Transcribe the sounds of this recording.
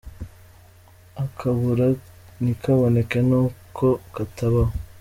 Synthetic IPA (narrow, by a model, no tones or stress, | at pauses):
akʰaβuɾa | nikʰaβonekenuːkʰokataβao